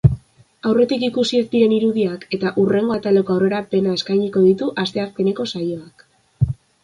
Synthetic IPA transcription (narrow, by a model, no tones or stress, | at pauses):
awre̞t̪ikikusiekd̪iɾe̞niɾuðiake̞t̪aʔure̞ŋɡo̞at̪ale̞ko̞awre̞ɾape̞nae̞skajɲiko̞ðit̪uʔast̪e̞ak̚pene̞ko̞sajo̞ak